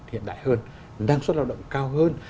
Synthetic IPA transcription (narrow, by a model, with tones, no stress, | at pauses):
hḭ˧˨nɗa̰ː˧˨jhəː˧n | ɗaː˧ŋswt̚laː˧wɗə̰˧˨wŋ͡mkaː˧wɦəː˧n